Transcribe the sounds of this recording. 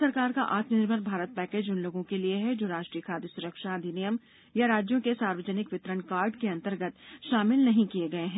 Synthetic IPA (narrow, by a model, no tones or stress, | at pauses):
sɐɾkaːɾkaʔaːt̪mənɪɾbʱəɾbʱaːɾət̪̚pɛːkeːd͡ʒʊnloːɡõkelieɦɛd͡ʒoːɾaːʃʈɾiːjəkʰaːd̪ʱəsʊɾəkʃaːd̪ʱinijəm | jaɾaːd͡ʒjõkesaːɾʋəd͡ʒənɪkʋɪt̪ɾəɳkaːɾɖkeɐ̃nt̪əɾɡət̪ʃaːmɪlnɐɦĩkieɡɐeɦɛ̃ː